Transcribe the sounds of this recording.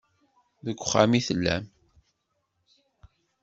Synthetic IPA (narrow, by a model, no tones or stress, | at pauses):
ðəɡʷʊχːamiθəlːæ̰m